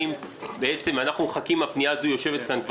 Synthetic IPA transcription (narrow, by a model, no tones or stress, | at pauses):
im | beet͡se̞manaχnuχakimapnijazojo̞ʃe̞vet̪̚kankv